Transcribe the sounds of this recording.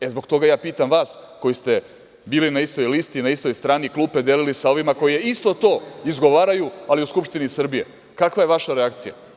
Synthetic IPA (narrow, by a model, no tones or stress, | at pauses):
e̞zbo̞ɡt̪o̞ɡajaːpiːt̪amʋaːsko̞jist̪e̞ | biːlinaist̪o̞jlist̪inaist̪o̞jst̪ɾaːniklˠuːped̪elilisao̞ʋimako̞jijeist̪o̞t̪o̞ːizɡo̞ʋaːɾajualiuskupʃt̪inisr̩bije̞̰ | kakʋaje̞ʋaʃaɾeakt̪sija̰